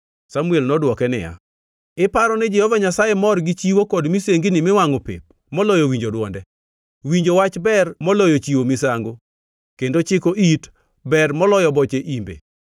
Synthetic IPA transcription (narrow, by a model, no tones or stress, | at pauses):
samuɛlnɔdwɔkɛnɪ̰ja̰ | ɪpaɾɔnɛd͡ʒɛhɔvaɲasajemɔrɡɪt͡ʃiwokɔdmiseŋɡinɪmɪwaŋopḛp̚ | mɔlɔjowiɲd͡ʒodwɔ̰ndɛ | wiɲd͡ʒowat͡ʃbɛrmɔlɔjot͡ʃiwomisaŋɡo | kendot͡ʃɪkoʔit | bɛrmɔlɔjɔbɔt͡ʃeʔimbḛ